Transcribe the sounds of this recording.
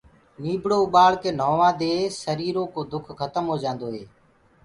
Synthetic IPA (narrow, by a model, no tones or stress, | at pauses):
niːbɽoːʊɓaːɭkeːn̤oːʋãːd̪eːsəɾiːɾõːkoːd̪ʊkʰxət̪əmɦoːd͡ʒãːnd̪oːɦeː